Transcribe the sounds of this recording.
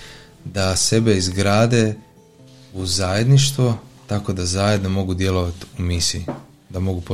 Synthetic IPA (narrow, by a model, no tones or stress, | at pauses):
d̪ase̞be̞izɡɾaːd̪e̞ | uzaje̞d̪niʃt̪ʋot̪ako̞d̪azajed̪no̞mo̞ɡud̪je̞lo̞ʋat̪umisi | d̪amo̞ɡupo